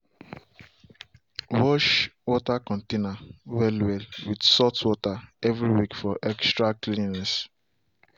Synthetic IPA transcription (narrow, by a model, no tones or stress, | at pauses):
wɔʃwɔtakɔ̃ntenawɛlwɛlwidsɔtwɔtaɛvɹiwikfɔʔɛkstɹaklinnɛs